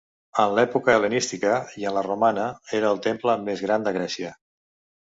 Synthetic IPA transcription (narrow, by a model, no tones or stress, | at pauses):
ənlɛpukələnist̪ikəiənlərumanəeɾəːlˠt̪empləmezɣɾand̪əɣɾɛsiə